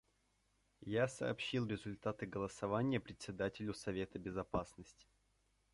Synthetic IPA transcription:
jasɐ̰ːpɕːilˠɾʲɪzʊlʲt̪at̪ɨɡəlˠəsɐvanʲɪjəpɾʲɪt̪ʲsʲɪd̪atʲɪlʲʊsɐvʲe̞t̪əbʲɪzɐpasnəsʲtʲɪ̥

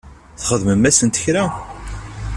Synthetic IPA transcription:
θχəðməmːæsənt̪əçɾæ

